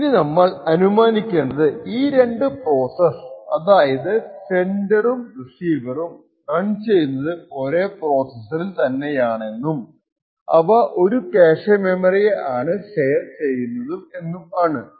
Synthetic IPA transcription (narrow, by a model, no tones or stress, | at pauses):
ininɐmːɐɭɐnumaːnikʲːunːɐðɨiːɾe̞ɳɖɨpro̞ːsɐsɐðaːjɐðɨsendɐrumrisiːʋɐrum | rɐɳt͡ɕe̞jːunːɐðɨo̞ɾe̞ːpro̞ːsɐsɐrilt̪ɐnːejaːɳe̞nːum | ɐ̰ʋɐʔo̞ɾupeːʂɐmemɐrijeaːɳɨʂe̞jɐrt͡ɕe̞jːunːɐðume̞nːumaːɳɨ